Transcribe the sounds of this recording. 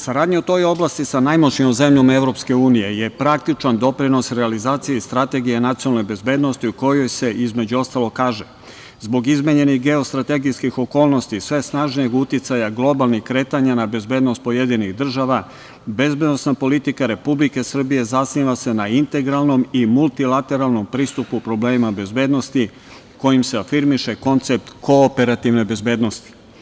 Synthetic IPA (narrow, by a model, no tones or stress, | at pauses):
saɾaːd̪ɲeut̪o̞jo̞blast̪isanajmot͡ʃɲiomze̞mʎome̞vɾo̞pske̞uːnije̞je̞pɾak̚t̪it͡ʃand̪o̞pɾino̞sɾealizaːt̪sijeist̪ɾat̪e̞ɡijenat̪sionalnejbe̞zbe̞ːd̪nost̪iuko̞jo̞jse̞ʔizme̞d͡ʑuo̞st̪alˠo̞kaːʒe | zbo̞ɡizmeɲe̞niɣɡe̞o̞st̪ɾat̪e̞ɡiskixo̞ko̞ːlno̞st̪isʋe̞snaːʒnijeɡut̪it̪sajaɡlˠo̞balˠnixkɾe̞ːt̪aɲanabe̞zbe̞ːd̪no̞st̪̚po̞je̞d̪iniɣd̪r̩ʒaʋa | be̞zbe̞d̪nosnapo̞lit̪ikaɾe̞publike̞sr̩bije̞zasniʋase̞naint̪e̞ɡɾalˠno̞mimulˠt̪ilat̪e̞ɾalˠno̞mpɾiːst̪upupɾo̞bleːmimabe̞zbe̞ːd̪no̞st̪i | ko̞jimseafiɾmiʃe̞ko̞nt̪sep̚t̪ko̞ːpe̞ɾat̪iʋne̞be̞zbe̞ːd̪no̞st̪i̥